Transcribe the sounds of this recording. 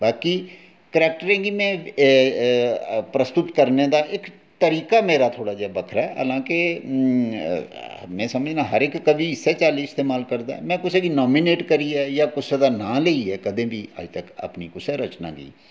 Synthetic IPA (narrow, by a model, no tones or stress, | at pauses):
baːkiː | kəɾɛːk̚ʈəɾẽːɡiːmɛ̃ː | pɾəst̪ʊt̪kəɾneːd̪aːʔɪk | t̪əɾiːkaːmeːɾaːt̪ʰoːɽaːd͡ʒɛːbəkʰɾaɛːɦə̰lãːke | mɛ̃ːsəməd͡ʒnãːɦəɾɪkːəbiːɪsːɛːt͡ʃaːliːɪst̪eːmaːlkəɾd̪aːɛ̰ːmɛ̃ːkʊseːɡiːnɔːmiːneːʈkəɾiːɛːjaːkʊseːd̪aːnãːleiːɛːkəd̪ẽːbiːə̰ːd͡ʒt̪əkə̰pniːkʊsɛːɾət͡ʃna̰ːɡḭː